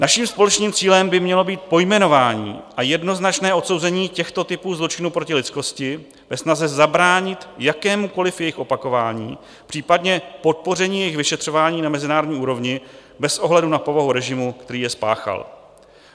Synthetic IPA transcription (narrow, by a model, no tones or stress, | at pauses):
naʃiːmspo̞lɛt͡ʃniːmt͡siːlɛmbɪmɲɛlo̞biːt̪̚po̞jmɛno̞vaːɲḭːʔajɛdno̞znat͡ʃnɛːʔo̞t̪so̞wzɛɲiːcɛxt̪o̞t̪ɪpuːzlo̞t͡ʃɪnuːpɾo̞cɪlɪt͡sko̞scɪ | vɛsnazɛzabɾaːɲɪt̪jakɛːmuko̞lɪfjɛjɪxo̞pako̞vaːɲiː | pr̥iːpadɲɛpo̞t̪̚po̞rɛɲiːjɛjɪxvɪʃɛt̪r̝̥o̞vaːɲiːnamɛzɪnaːɾodɲiːuːɾo̞vɲɪ | bɛsʔo̞ɦlɛdunapo̞vaɦuɾɛʒɪmukt̪ɛɾiːjɛspa̰ːxa̰l